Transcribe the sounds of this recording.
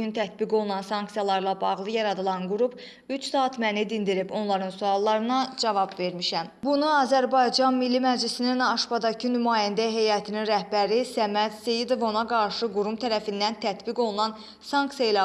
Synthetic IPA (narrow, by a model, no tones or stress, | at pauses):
ynt̪ʰæt̪biɡo̞lˠunɑnsɑŋksijɑlˠɑɾlˠɑbɑɣlˠɯjɑɾɑd̪ɯlˠɑnɡuɾup | yt͡ʃsɑːt̪mænid̪ind̪iɾibo̞nlˠɑɾɯnsuɑlˠːɑɾɯnɑd͡ʒɑvɑbve̞ɾmiʃæmbunuɑzæɾbɑjd͡ʒɑnmilːimæd͡ʒlisininɑʃbɑd̪ɑcʰɯnymɑːjænd̪æɦe̞jɑt̪ʰininɾæhbæɾisæmæd̪sejid̪o̞vo̞nɑɡɑɾʃɯɡuɾumt̪ʰæɾæfind̪ænt̪ʰæt̪biɡo̞lˠunɑn | sɑŋksijɑilɑ